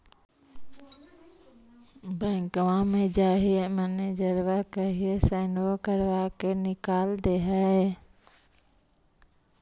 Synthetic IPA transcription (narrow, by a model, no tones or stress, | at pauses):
bə̃ŋkʋãmẽd͡ʒaːɦieməned͡ʒəɾʋakəɦiesɛnokəɾʋakenɪkaːld̪eːɦɛe